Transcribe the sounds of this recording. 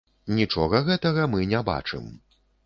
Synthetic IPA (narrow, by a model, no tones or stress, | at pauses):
nʲit͡ʂɔɣɐɣɛt̪ɐɣɐmɨnʲɛba̰t͡ʂɨ̰m